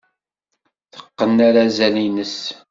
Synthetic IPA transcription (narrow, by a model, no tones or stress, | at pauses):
θə̥qːənːaɾazæninəs